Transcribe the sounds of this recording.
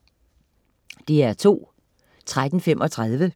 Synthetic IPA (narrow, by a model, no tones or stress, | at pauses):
d̥eæɐt͡sʰo̝̰ː | t͡sʰʁad̥n̩femʔɒ̽t͡sʰʁað̞ˠʋə